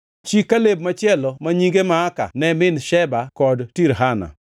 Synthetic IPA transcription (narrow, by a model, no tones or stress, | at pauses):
t͡ʃikːaleb̚mat͡ʃɪɛlɔmaɲiɡemaːka̰nɛmɪnʃɛbakɔdtiɾɦana̰